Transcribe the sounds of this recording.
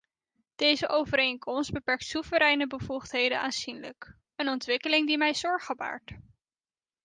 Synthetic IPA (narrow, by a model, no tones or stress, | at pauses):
d̥ejzəʔowvəɾejŋkɔmsd̚bəpɛɹk̚tsuvəɾɛjnəbəvuχtɦejdə̰naːnz̥inlək | ənɔntʋɪkəlɪŋdimɛjzɔɹχəba̰ːɹt